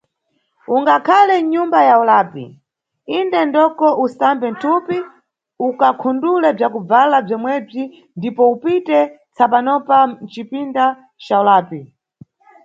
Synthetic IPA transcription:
uŋɡakʰalɛɲumbajaulaːpḭ | indɛndɔkɔʔusambɛn̩tʰupi | ukakʰundulɛb͡ʐakub͡valab͡ʐɔmwɛb͡ʐi | ndipɔupitɛ | t͡sʰapanɔpan̩t͡ʃipinda | t͡ʃaulaːpi

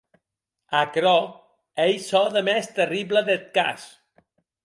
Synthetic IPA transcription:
akɾɔ | ejsɔðəmɛst̪əribləðet̪̚ka̰s

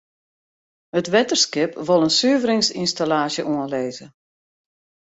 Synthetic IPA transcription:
hətʋɛtərskɪpʋolˠənsyəvəɾɪŋsinstalaːsjəʔuənleːzə

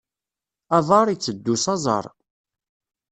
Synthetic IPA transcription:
ɑðˤɑɾˤit͡sːəd̪ːusɑzˤɑ̰ɾˤ

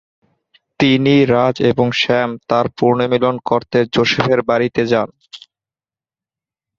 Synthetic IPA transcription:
t̪iniɾad͡ʑeboŋʃɛmt̪aɾpuɾnomilonkoɾt̪ed͡ʑoʃifʰeɾbaɾit̪ed͡ʑan

